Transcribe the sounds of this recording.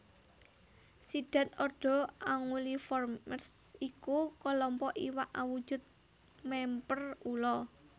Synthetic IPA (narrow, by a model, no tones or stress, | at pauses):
sid̥a̤t̪ɔɖ̥ɔ̤aŋulifɔrmmərsikukɔlɔmpɔʔiwaʔawud̥ʒ̥ʊ̤t̪̚ | mɛmpərulɔ